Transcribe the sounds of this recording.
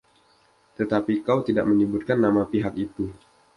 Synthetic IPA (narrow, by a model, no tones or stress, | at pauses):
t̪ət̪apikawt̪ida̰ʔməɲəbut̪̚kanːamapiɦakit̪u